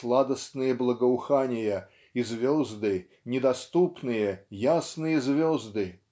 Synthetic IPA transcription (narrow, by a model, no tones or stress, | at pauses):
slˠad̪əst̪nɨjəblˠəɡəʊxanʲɪjə | izvʲɔzd̪ɨ | nʲɪd̪ɐst̪upnɨjəjasnɨjəzvʲɔzd̪ɨ